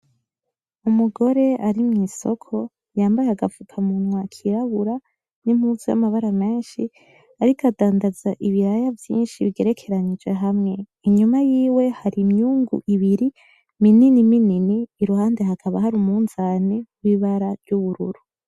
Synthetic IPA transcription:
umuɡo̞ɾe̞aɾimŋiːso̞̰kʰo̞ | jaːmbajeaɡafukʰamunwakʰiɾaβuɾa | nimhuzija̰maβaɾame̞ːnʃi | aɾikʰadaːndazaʔiβiɾajavjḭːnʃiβiɡeɾe̞kʰe̞ɾanid͡ʒwe̞ɦamŋe̞ | iɲumajiːwe̞haɾimɲuːŋɡṵʔiβiɾi | mininimininiːɾuhaːnde̞ɦakʰaβahaɾumuːnzaːneɡwiβaɾaɾɟuβuɾṵɾu

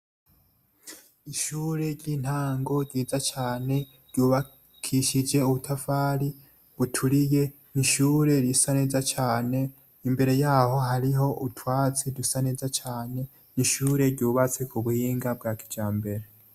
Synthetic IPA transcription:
iʃuːɾe̞ɾɟin̥haːŋɡo̞ɾɟiːzat͡ʃaːne̞ | ɾɟuːβa | kʰiʃid͡ʒe̞uβutʰafaːɾi | βutʰuɾije̞ | niʃuːɾe̞ɾisane̞ːzat͡ʃaːne̞ | imbe̞ɾe̞jaːho̞ɦaɾiɦo̞utwaːt͡sidusane̞ːzat͡ʃaːne̞ | niʃuːɾe̞ɾɟuːβat͡se̞kuβuhiːŋɡab̚ɡaːki̥d͡ʒaːmbe̞ɾe

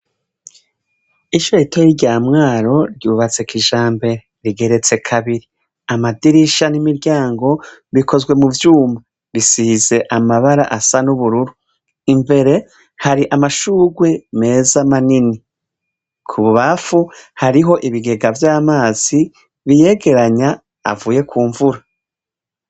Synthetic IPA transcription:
iʃoitejiɟaːmŋaːɾo̞ɾɟuːβat͡se̞kiʒaːmbe̞ɾe̞ɾiɡe̞ɾe̞t͡se̞kʰaβiɾi | amadiɾiʃanimiɾɟaːŋɡo̞βiko̞zwe̞muvjuːma | ɾisize̞ʔamaβaɾaʔasanuβuɾuɾu | imbe̞ɾe̞ | haɾiʔamaʃuːɡwe̞me̞ːzamanini | kʰuβuβafuhaɾiɦo̞ʔiβiɡe̞ɡavjaːmaːz̥i | βije̞ːɡe̞ɾaɲa̰ː | vuːje̞kʰuːɱvuɾa

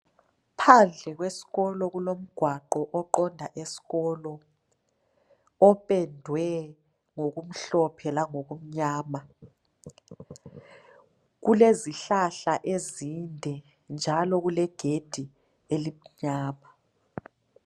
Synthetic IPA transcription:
pʰand͡ɮʱɛɣwesi̥ɣɔlɔɣulom̩ɡ̥ʱwaǃɔʔɔǃɔndʱaʔesi̥ɣɔlɔ | ɔpʼɛndʱwɛ | ŋoɣum̩ɬɔpʰɛlaŋoɣum̩ɲaːma | ɣuleziɬaɬaʔezindʱɛ | nd͡ʒʱalɔɣulɛɡ̥ʱed̥ʱi | elim̩ɲaːma

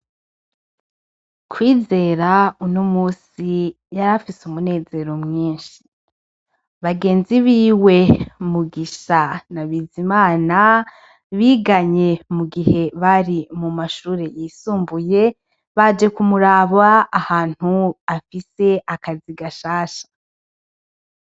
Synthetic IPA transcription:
kwiːze̞ːɾaunomuːsi | jaɾafisumune̞ːze̞ɾomŋiːnʃi̥ | βaɡe̞ːnziβiːwe̞muɡiʃanaβiːzimaːna | βiːɡaɲe̞muɡihe̞βaɾimumaʃuːɾe̞jisuːmbuje̞ | βad͡ʒe̞kumuɾaːβaːhaːn̥huafise̞ʔakaziɡaʃaːʃḁ

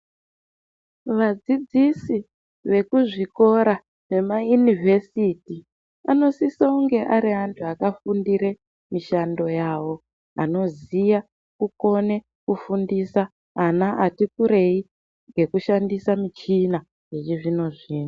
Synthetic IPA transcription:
ʋad͡zid͡zisi | ʋe̞kuʐiko̞ɾa | ʐe̞majunivʱe̞siti | ano̞sisauŋɡe̞ʔaɾiɦantʰuakafundiɾe̞ | miʃando̞jaːwo̞ | a̰no̞zija | kuko̞ne̞ | kufundisaː | naʔatikuɾe̞i | ŋɡe̞kuʃandisamit͡ʃina | jet͡ʃiʐino̞ʐiːna

